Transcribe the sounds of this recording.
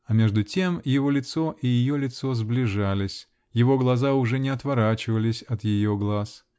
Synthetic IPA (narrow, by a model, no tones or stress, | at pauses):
ɐmʲe̞ʐd̪ʊtʲe̞mjɪvo̞lʲɪt̪so̞ʔijɪjolʲɪt̪so̞zblʲɪʐalʲɪsʲ | jɪvo̞ɡlˠɐzaʊʐɛnʲɪɐt̪vɐɾat͡ɕɪvəlʲɪsʲɐt̪jɪjo̞ɡlˠas